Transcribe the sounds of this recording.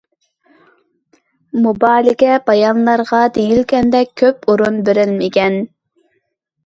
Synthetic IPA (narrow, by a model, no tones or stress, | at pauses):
mubɑːlɪkʲɛbɑjɑnlˠɑɾʁɑd̪ejilkʲɛnd̪ɛkʲʰːøpuɾunbeɾɪlmɪkʲɛn